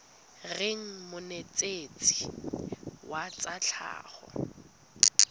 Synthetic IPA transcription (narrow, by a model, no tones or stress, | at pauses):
reŋ̩mʊnet͡sʼet͡sʼi̥ | wat͡sʼat͡ɬʰa̰ːχɔ̰